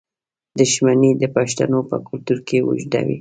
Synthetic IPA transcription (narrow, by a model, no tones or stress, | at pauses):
d̪ʊʃmanid̪əpaʃt̪anopə̰kʊlt̪uɾkewʊ̰ʒd̪a̰wḭ